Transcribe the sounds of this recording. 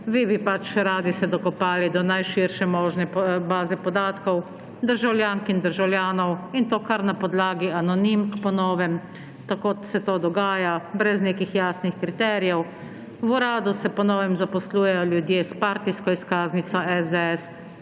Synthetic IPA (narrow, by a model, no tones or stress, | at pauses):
ʋibipat͡ʃɾaːd̪isɛd̪ɔkɔpaːlid̪ɔnajʃiɾʃɛmɔːʒnɛbaːzɛpɔd̪aːt̪kɔw | d̪əɾʒawljaːŋkind̪əɾʒawljaːnɔwint̪oːkaɾnapɔd̪laːɡianɔnimkpɔnɔːʋɛm | t̪akosɛt̪oːd̪ɔɡaːjabɾɛzneːkixjaːsnixkɾit̪ɛːɾijɛw | wuɾaːd̪usɛpɔnɔːʋɛmzapɔsluːjɛjɔljud̪jeːspaːɾt̪iskɔiskaːznit̪sɔɛzd̪ɛɛs